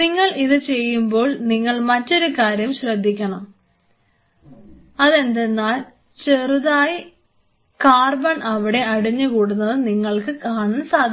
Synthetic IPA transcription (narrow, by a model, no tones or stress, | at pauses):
niŋːɐɭiðɨt͡ɕe̞jːumbo̞ːɭniŋːɐɭmɐtːo̞ɾukaːɾjɐmɕrɐd̪ʱːikʲːɐɳɐm | ɐðe̞nd̪enːaːl | t͡ɕeruðaːji | kaːrbɐɳʔɐʋiɽe̞ɐɽiɲːɨkuːɽunːɐðɨniŋːɐɭkɨkaːɳɨnsaːd̪ʱ